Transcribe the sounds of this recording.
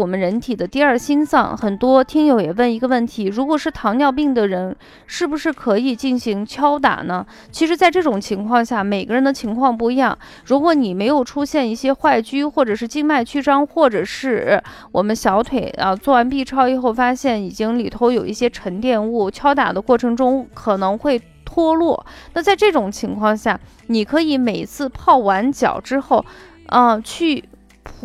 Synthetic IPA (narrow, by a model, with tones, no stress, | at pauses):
wɔ˨˩mə˦nɻə˧˥nt̪ʰi˨˩d̪ə˦t̪i˥˧ɐ˞˥˩ɕi˥nsɑ̰˥˩ŋxə˨˩nt̪wɔ˥t̪ʰi˥ŋjo˧˥ʊjɛ˨˩wə˥˩ni˧˥ɡə˧wə˥˩nt̪ʰi˧˥ɻu˧˥kwɔ˨˩ʂɻ̩˥˩t̪ʰɑ˧˥ŋnjɑ˥˧ʊp̬i˥˩ŋd̪ə˩ɻə˧˥n | ʂɻ̩˥˩bu˩ʂɻ̩˥˩kʰɤ˧˥i˨˩t͡ɕi˥˩nɕi˧˥ŋt͡ɕʰjɑ˥ʊt̪̬a̰˨˩nə˦ | t͡ɕʰi˧˥ʂɻ̩˧˥t͡sa˥˧ɪʈ͡ʂɤ˥˩ʈ͡ʂʊ˨˩ŋt͡ɕʰi˧˥ŋkʰwɑ˥˧ŋɕja˥˩me˨˩ɪɡə˧˦ɻə˧˥nd̪ə˧˩t͡ɕʰi˧˥ŋkʰwɑ˥˧ŋp̬u˥˧i˧˥jɑ˥˩ŋ | ɻu˧˥kwɔ˧˥ni˨˩me˧˥ɪjo˨˩ʊʈ͡ʂʰu˥ɕjɛ˥˧ni˥˩ɕjɛ˥xwa˥˩ɪt͡ɕy˥xwɔ˥˩ʈ͡ʂɤ˨˩ʂɻ̩˥˧t͡ɕi˥˧ŋma˥˩ɪt͡ɕʰy˥ʈ͡ʂɑ˥ŋxwɔ˥˩ʈ͡ʂɤ˨˩ʂɻ̩˥˩ | wɔ˨˩mə˦nɕjɑ˧˥ʊt̪ʰwe˨˩˦ɪə˧t͡swɔ˥˩wa˧˥npi˥˧ʈ͡ʂʰɑ˥ʊi˧˥˩xo˥˩ʊfa˥ɕjɛ˥˩ni˨˩t͡ɕi˥ŋli˨˩t̪ʰo˧˥ʊjo˨˩ʊʔi˥˩ɕjɛ˥ʈ͡ʂʰə˧˥ŋt̪jɛ˥˧nu˥˩t͡ɕʰjɑ˥ʊt̪a̰˨˩d̪ə˦kwɔ˥˩ʈ͡ʂʰɤ˧˥ŋʈ͡ʂʊ˥ŋkʰɤ˨˩nɤ˧˥ŋxwe˥˩ɪ | t̪ʰwɔ˥lwɔ˥˩na˥˧t͡sa˥˧ɪʈ͡ʂɤ˥˩ʈ͡ʂʊ˨˩ŋt͡ɕʰi˧˥ŋkʰwɑ˥˧ŋɕja˥˩ | ni˨˩kʰɤ˧˥i˧˥me˨˩ɪt͡sʰɹ̩˥˧pʰɑ˥˩ʊwa˧˥nt͡ɕjɑ̰˨˩ʊʈ͡ʂɻ̩˥xo˥˩ʊ | ə˧t͡ɕʰy˥˩ | pʰ